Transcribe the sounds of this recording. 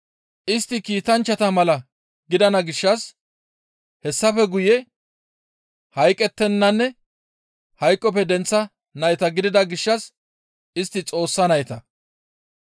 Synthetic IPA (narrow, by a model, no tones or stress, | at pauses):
ʔɪst̪ːɪkiːt̪ɐnt͡ʃːɐt̪ɐmɐlɐ | ɡɪd̪ɐnɐɡɪʃːɐs | hɛsːɐfɛɡʊjɛ | hɐjkʼːɛt̪ːɛnːɐnːɛ | hɐjkʼːɔp̬ɛd̪ɛnt͡sːɐ | nɐjt̪ɐɡɪd̪ɪd̪ɐɡɪʃːɐs | ɪst̪ːɪt͡sʼo̞ːsːɐnɐjt̪ɐ